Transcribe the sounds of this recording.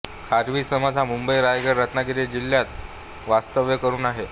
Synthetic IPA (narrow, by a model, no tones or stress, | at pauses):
kʰaɾʋiːsəməd͡zʱamumbəjɾajɡəɾːət̪nakiɾed͡ʑiljat̪ | ʋast̪əʋjəkəɾuːnaɦe